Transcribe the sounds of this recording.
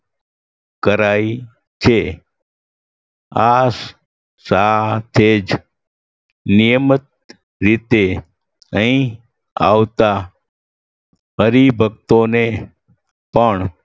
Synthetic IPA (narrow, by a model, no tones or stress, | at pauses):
kəɾai | t͡ʃʰe | as | sat̪ʰed͡ʒ | nijəmət̪̚ | ɾit̪e | əɦĩ | a̰ʋt̪a | ɦəɾibʱək̚t̪one | pəɳ